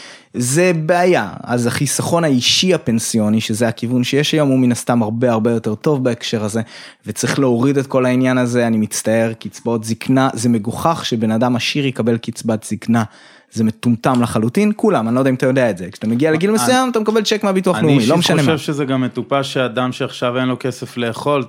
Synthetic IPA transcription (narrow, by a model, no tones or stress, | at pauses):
ze̞beajaa̰zaχisaχo̞naiʃiape̞nsijo̞niʃezeakivunʃe̞jeʃajo̞muminast̪amaʁbe̞aʁbe̞jo̞te̞ʁto̞vbaekʃe̞ʁaze̞vet͡saʁiχleo̞ʁide̞tko̞lainjanazeanimit͡stae̞ʁkit͡sbaot̪ziknaze̞me̞ɡoχaχʃe̞be̞nadamaʃiʁjekabe̞lkit͡sbatz̥ikna | ze̞metumtamlaχalutinkulamanilodaimat̪ajo̞d̪eaetzekʃḁt̪ameɡialeɡilme̞sujamat̪amekabelt͡ʃekmeabituaχnemilomeʃaneʃevʃezeɡamːet̪upaʃeadamʃeaχʃavenlo̞kesefle̞ːχo̞l